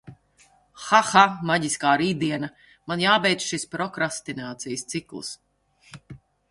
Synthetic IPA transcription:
xaxamaɟiskaːɾiːd̪iɛnɐ | manjaːbɛjd̪sʃispɾɔkɾast̪inaːt̪sijəst̪siklˠɨ̰s

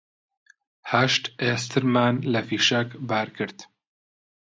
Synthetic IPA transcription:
hɐʃt̪eːst̪ʰɨɾmaːnlɐfiːʃɐkbaːɾkʰɨɾt̪

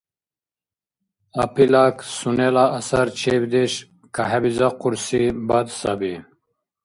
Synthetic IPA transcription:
apilaksunelaːsɐɾt͡ɕʰebd̪eɕ | kaɦebizaquɾsibad̪sa̰bi

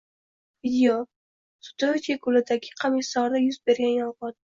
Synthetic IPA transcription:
vid̪ɪo | sʊ̥t̪ot̪akʰʊlɪd̪aɡʲɪ̥qʰɑmɪsɒɾd̪ajʊzbe̞ɾɡʲanjɒlˠʁɑd̪̚

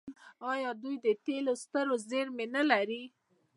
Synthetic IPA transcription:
ɑjɑd̪ujd̪ət̪elost̪əɾozeɾmenəlaɾi

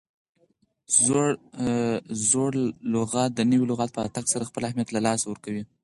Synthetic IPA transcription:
zoɽ | zoɽlʊɣɑt̪̚d̪ənəwilʊɣɑt̪̚pəat̪aksaɾaxpəlahmjat̪lalɑsawəɾkawi

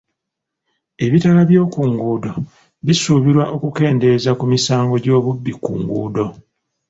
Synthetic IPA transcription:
e̞βitalaβjo̞ːkuŋɡuːdo̞ | βisuːβiɾwaʔo̞kuke̞ːnde̞zakumisaːŋɡo̞ɟo̞ːβubːikṵŋɡṵːdo̞

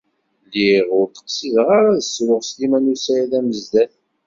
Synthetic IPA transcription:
lːiʁʊɾt̪ə̥qsiðʁaɾaðəswəʁslimænusæjæðæməzd̪æθ

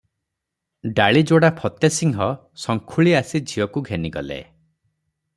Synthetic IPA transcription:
ɖaɭid͡ʒoɽapʰɔt̪esiŋɦɔ | sɔŋkʰuɭiasid͡ʒʱiɔkuɡʱeniɡɔ̰lḛ

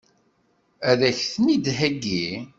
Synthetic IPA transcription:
æðæçθnid̪ɦæɡːi

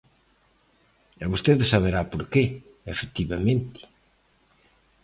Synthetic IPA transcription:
ɛβost̪eðɪsaβeɾapoɾke | efekt̪iβamẽnt̪ɪ̥

